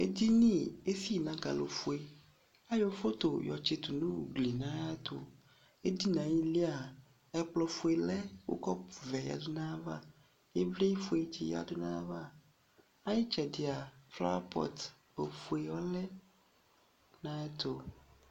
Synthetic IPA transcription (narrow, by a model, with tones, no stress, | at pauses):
ḛ˦d̪i˦nĩ˦˨e˦si˦˨nã˨ɡa̰˨lo̰˨fu˦e˨ | a˦jɔ˨fo˦t̪o˨jɔ˨t͡ʃe˨t̪u˨nũ˦wṵ˨ɡ͡bli˨nã˦ja˦t̪o˨ | e˦d̪i˦nã˨jĩ˦li˦a˨ | ɛ˦k͡plɔ˦fu˨˦e˨lɛ˦wo̰˦kɔ˦˨vɛ˨ja̰˨du˦nã˦va̰˦ | je˦vle˦ji˦fu˦e˨t͡ʃḭ˦˨ja̰˨du˦nã̰˦va˦ | a˦ji˦t͡ʃɛ˨di˨a˨fla̰˦a̰˦pɔ̰˦t̪ | bo˨fu˨e˨wɔ˦lɛ˦ | nã˦ɛ˦t̪o˦